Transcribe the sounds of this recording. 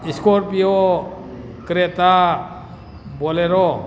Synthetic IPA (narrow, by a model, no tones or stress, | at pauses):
iskɔɾpijɔ | kɾet̪a | bɔleɾɔ